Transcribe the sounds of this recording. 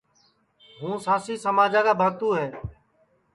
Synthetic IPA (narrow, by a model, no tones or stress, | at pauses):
ɦũːsãːsiːsəmaːd͡ʒaːkaːbʱaːt̪uːɦeː